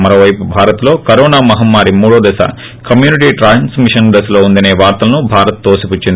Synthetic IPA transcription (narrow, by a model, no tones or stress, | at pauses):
mɐɾoːʋɐjpubʱaːɾɐt̪lo̞ːkɐɾɔːnaːmɐɦɐmːaːɾimuːɽoːd̪ɛsɐ̰ | kɐmjuːniʈiːʈɾaːnsmiʂɐnd̪ɐslo̞ːund̪ɐne̞ːʋaːɾt̪ɐlɐnubʱaːɾɐt̪̚ːoːsiput͡ʃːind̪i